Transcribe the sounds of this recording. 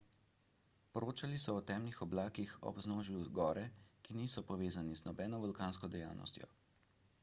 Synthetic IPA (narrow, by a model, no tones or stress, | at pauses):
pɔɾoːt͡ʃalisɔːt̪ɛːmlixɔblaːkixɔ̰bznoːʒiuzɡɔːɾɛkiniːsɔpɔʋeːzaniznɔbɛːnɔbɔlkaːnskɔd̪ɛjaːwnɔ̰st̪jɔ̰